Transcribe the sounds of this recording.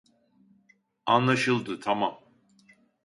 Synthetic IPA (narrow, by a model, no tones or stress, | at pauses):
anlˠaʃɯlˠd̪ɨt̪ʰamam